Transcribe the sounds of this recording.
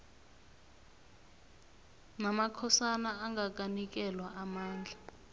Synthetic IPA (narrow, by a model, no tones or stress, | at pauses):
namakʰɔsanaːŋɡak̬ʼanik̬ʼɛlwaʔamaːnd͡ɮʱa